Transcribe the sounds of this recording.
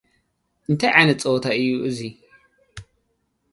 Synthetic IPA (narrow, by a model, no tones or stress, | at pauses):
ʔɨnt̪ʰɐjʕanɐt͡sʼot̪ʰaʔɨjːuʔɨzi